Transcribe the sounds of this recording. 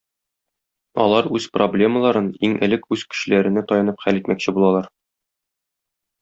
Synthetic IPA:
ɒ̰lˠɑɾʉz̥problʲe̞məlˠɑɾɤniŋʔɘ̆lɘkʉz̥kɘ̥̆ɕɘ̆læɾɘ̆næt̪ɒjɤ̆nɤpχælit̪mækɕɘbulˠɑlˠɑɾ

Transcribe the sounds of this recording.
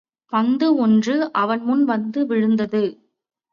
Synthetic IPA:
pɐnd̪ɯɔndrɯʔɐʋɐnmʊnʋɐnd̪ɯʋɪɻɯnd̪ɐðɯ

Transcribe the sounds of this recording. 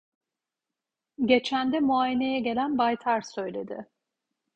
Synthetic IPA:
ɟe̞t͡ʃʰænd̪ɛmuaːjene̞jɛɟe̞lʲænbajt̪ʰaɾsø̞jlʲe̞d̪ɪ̰

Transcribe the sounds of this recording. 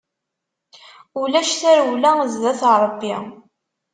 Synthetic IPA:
ulæʃθæɾwlæzðæθɾˤəbjḭ

